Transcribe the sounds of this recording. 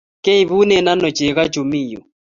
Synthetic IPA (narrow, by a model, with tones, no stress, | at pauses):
ke˦i˨βu˦nɛ˦˨na˦nɔ˨t͡ʃɛ˨ɣa˦t͡ʃu˨mi˦˨jɔ̰˨